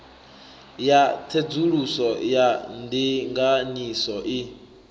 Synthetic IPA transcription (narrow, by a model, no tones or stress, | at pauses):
jatʰed͡zuɺusɔjandiŋɡanisɔʔi